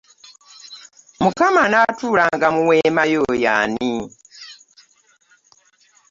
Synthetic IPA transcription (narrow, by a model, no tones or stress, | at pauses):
mukamanatuːlaŋɡamuwemajoja̰ni